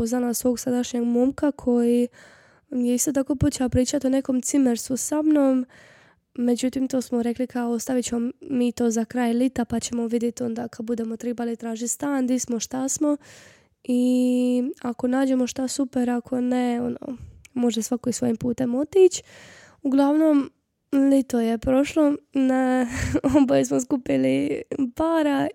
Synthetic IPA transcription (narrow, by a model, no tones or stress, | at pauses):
poznalasʋo̞ːɡsad̪aʃɲeɡmomkakʰo̞ji | jeist̪o̞t̪̬ako̞ːpot̪t͡ʃeaopɾiːt͡ʃat̪one̞ko̞mt̪simeɾst̪usamnom | me̞d͡ʑut̪imt̪o̞ːsmoɾe̞klikʰaoost̪aʋit͡ɕemoːiːt̪o̞ːzakɾaːjlit̪apat͡ɕe̞mo̞ʋid̪jet̪o̞nd̪akad̪̚bud̪emo̞t̪ɾebalit̪ɾaːʒit̪st̪aːnd̪ismoʃt̪asmo̞ | i | ako̞naːd͡ʑe̞mo̞ʃt̪asupe̞ɾakʰo̞ne̞ono̰ːmo̞ʒd̪esʋakoisʋo̞jimpuːt̪e̞mo̞t̪it͡ɕ | uɡlˠaʋno̞m | lit̪o̞je̞pɾo̞ʃlo̞naobojus̬mos̬kupilipaːɾa